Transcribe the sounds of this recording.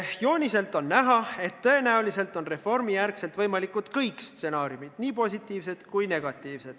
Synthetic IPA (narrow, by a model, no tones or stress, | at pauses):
jo̞ːnʲise̞lt̪ːˑo̞nːæɦɑe̞t̪ːɤ̞e̞næulise̞lt̪ˑo̞nre̞fo̞rmijærkse̞lt̪vɤjmɑlikːˑut̪kɤjkst̪se̞nɑːɾjumid̪̥niːpo̞sʲit̪ːˑiːvse̞t̪kujne̞ɡ̥ɑt̪ːˑiːvse̞d̪̥